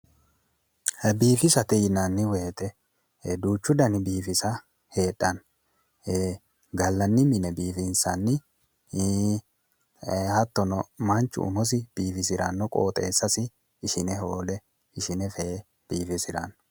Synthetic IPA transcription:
hɛbiːfɪsɐt̪ɛjnɐnːɪweːt̪ɛ | d̪uːt͡ʃːʊd̪ɐnɪbiːfɪsɐ | he̞ːɗːɐn | ɡɐlːɐnːɪmɪnɛbiːfɪnsɐnːɪ | hɐt̪ːɔnɔmɐnt͡ʃːʊ̰ʔʊ̰mɔs̬ɪb̥iːfɪs̬ɪɾɐ̰nːɔkʼo̰ːt̪ʼeːsːɐsɪː | ʃɪnɛɦo̞ːlɛ | ɪʃɪnɛfeː | b̥iːfɪsɪɾɐ̰n

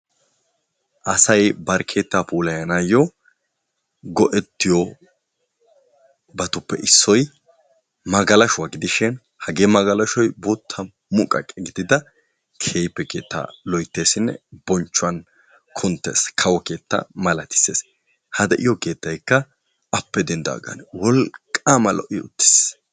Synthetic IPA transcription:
ʔɐsɐjbɐɾkʰe̞ːt̪ːaːpuːlɐjɐnajɔ | ɡɔʔɛt̪ːɪjɔ | bɐt̪ʊpːɛ̰ʔɪsːɔj | mɐɡɐlɐʃʊwaɡɪd̪ɪʃɪn | hɐɡeːmɐɡɐlɐʃɔjbʊt̪ʰːɐ | mʊkʼɐ̰kʼːɛɡɪd̪ɪd̪ɐ | kʰeːjpːɛkḛːt̪ːa̰lɔjt̪ːe̞ːsɪnːɛ̰bɔnt͡ʃːʊɐn | kʰʊnt̪ːḛːskʰɐwɔke̞ːt̪ːɐ̰mɐlɐt̪ɪ̥sḛːs | hɐd̪ɛʔɪjɔke̞ːt̪ːɐjkːɐ | ɐpːɛd̪ɛnd̪a̰ɡɐ̰nwɔlkʼːamɐlʔɔ̰ʔɪʊt̪ːɪ̥s

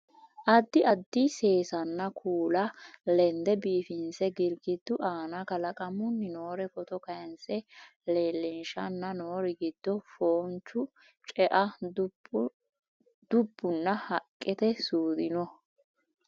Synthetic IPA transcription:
ʔɐd̪ːɪʔɐd̪ːɪse̞ːsɐnːɐkʰuːlɐlɛnd̪ɛbiːfɪnsɛɡɪɾɡɪd̪ːʊʔaːnɐkɐlɐkʼɐmʊnːɪnoːɾɛfɔt̪ɔkɐjɐnsɛleːlːɛnʃɐnːɐno̞ːɾɪɡɪd̪̥ːɔfoːnt͡ʃːʊ | t͡ʃʼɛʔɐ | d̪̥ʊbːʊnːɐhɐkʼːɪt̪ɛsuːd̪ɪnɔ

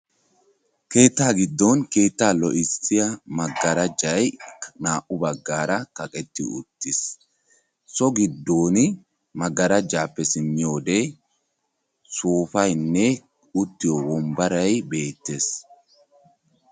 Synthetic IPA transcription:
ke̞ːt̪ːaːɡɪd̪ːɔnke̞ːt̪ːaːlɔʔɪsɪjɐmɐɡːɐɾɐd͡ʒɐjnaːʔʊbɐɡːaːɾɐkɐkʼɛt̪ːɪʊ̰t̪ːɪs | sɔɡɪd̪ːoːnɪ | mɐɡːɐɾɐd͡ʒːaːpːɛsɪnːɪjo̞ːd̪e | soːfɐjnːɛ | ʊt̪ːɪjowɔmbɐɾɐjbe̞ːt̪ːe̞ːs

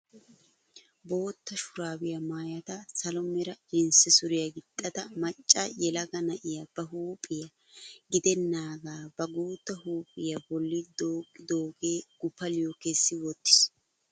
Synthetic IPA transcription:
bo̞ːt̪ːɐʃʊɾaːbɪjɐmaːjɐt̪ɐsɐlɔmɛɾɐɪnsɛsʊɾɪjɐɡɪt̪ʼːɐd̪ɐmɐt͡ʃʼːɐjɛlɐɡɐnɐʔɪjɐb̥ɐɦuːpʼːɪjɐ | ɡɪd̪ɛnːaːɡaːbɐɡuːt̪ːɐhuːpʼːɪjɐbɔlːɪd̪oːkɪd̪oːɡeːɡ̥ʊpːɐlɪjokesːɪwɔt̪ːɪ̥s

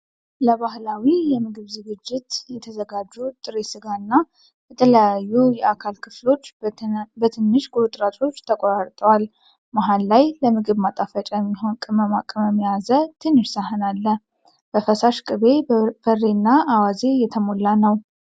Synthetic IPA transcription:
ləβahlawijɛmɨɡɨβzɨɡɨd͡ʒːɪt̪jɛt̪ʰəzəɡad͡ʒːut̪ʼɨɾesɨɡaɨnːa | bɛt̪ʰələjajːujɛakʰalkʰɨflo̞t͡ʃːbət̪ʰɨnːɨʃɡʼut̪ʼɾat̪ʰʼo̞t͡ʃːt̪ʰəkʼoɾaɾt̪ʼəwal | maɦalːajləmɨɡɨβmat̪ʼafət͡ʃʼajmːiɦo̞nkʼɨməmakʼɨməmːijazət̪ʰɨnːɨʃsaɦɨnalːə | b̥əfəsaʃkʼɨβe̞b̥ərenːaawaze̞jɛt̪ʰəmo̞lːanəw

